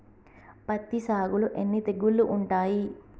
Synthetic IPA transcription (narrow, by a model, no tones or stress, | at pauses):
pɐt̪ːisaːɡuluʔenːit̪eɡːulːuʔːɳʈaːji